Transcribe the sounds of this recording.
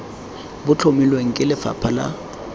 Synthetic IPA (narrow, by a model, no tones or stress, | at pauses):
bʊt͡ɬʰomilweŋ̩kʼɪlɪfa̰pʰala̰